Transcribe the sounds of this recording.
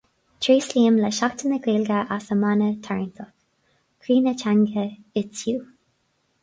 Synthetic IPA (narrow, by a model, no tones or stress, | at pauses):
tʰɾiːsliːəmlɛʃakt̪ʰənəɡiːlɡəʔasəmanət̪ʰaɹnt̪ʰɔk | kʰɾiːnət͡ʃʰaŋɡəɪtjuː